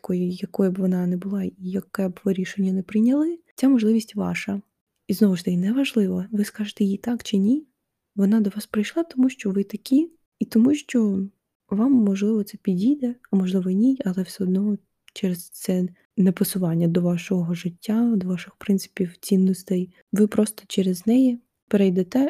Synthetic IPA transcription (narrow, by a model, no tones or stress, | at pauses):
ɐkɔjɪjɐkɔjɛbʋɔnɑnɛbʊlˠɑijɐkɛbʋɪɾʲiʃenʲːɐnɛpɾɪjnʲɐlˠɪt͡sʲamɔʒlˠɪʋʲisʲtʲʋɑ̰ʃɐ | iznɔʋʊt̪ɐkinɛʋɐʒlˠɪʋɐʋɪskɑʒet̪ɛjit̪ɑkt͡ʃɪnʲi | ʋɔnɑd̪ɔʋɑspɾɪjʃlˠɑt̪ɔmuʃt͡ʃɔʋɪt̪ɐkʲi | it̪ɔmuʃt͡ʃɔ | ʋɑmːɔʒlˠɪʋɔt̪sɛpʲidʲijd̪ɛɐmɔʒlˠɪʋɔnʲiɐlˠɛwsʲɛɔd̪nɔɔ | t͡ʃɛɾezt̪sɛ | nɛpɔsʊʋɑnʲːɐd̪ɔʋɑʃɔɦɔʒɪtʲːad̪ɔʋɑʃɪxpɾɪnt̪sɪ̥pʲiwt͡sʲinːɔst̪ɛj | ʋɪpɾɔst̪ɔ̥t͡ʃɛɾeznɛji | peɾɛjd̪ɛt̪ɛ